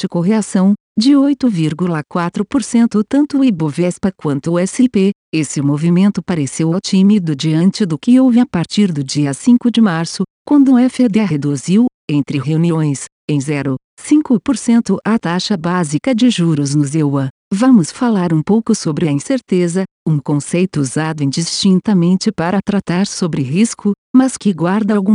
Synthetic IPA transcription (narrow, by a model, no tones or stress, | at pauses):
t͡ʃɪkoɦeasɐ̃w̃ | d͡ʒɪojt̪ʊviɾɡulɐkwat̪ɾʊpoɾsẽnt̪ʊt̪ɐ̃nt̪ʊibovɛspɐkwɐ̃nt̪ʊɛsɪpeesɪmovimẽnt̪ʊpaɾesewawt͡ʃimid̪ʊd͡ʒiɐ̃nt͡ʃɪd̪ʊkɪowvɪapaɾt͡ʃiɾd̪ʊd͡ʒiɐsĩŋkʊd͡ʒɪmaɾsʊkwɐ̃nd̪ʊɛfɪd̪eɦed̪uziw | ẽnt̪ɾɪɦewniõj̃s | ẽj̃zɛɾʊ | sĩŋkʊpoɾsẽnt̪ʊʔɐt̪aʃɐbazikɐd͡ʒɪʒuɾʊznʊzewɐ | vɐ̃mʊsfalaɾũpowkʊsobɾɪɐĩseɾt̪ezɐ | ũkõsejt̪ʊuzad̪ʊĩd͡ʒist͡ʃĩnt̪ɐmẽnt͡ʃɪpaɾɐt̪ɾat̪aɾsobɾɪɦiskʊ | mɐskɪɡwaɾd̪ɐawɡũ